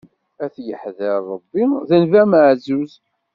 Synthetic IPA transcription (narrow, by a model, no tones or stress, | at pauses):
æθjəħðəɾˤəbːiðənvæməʕzuz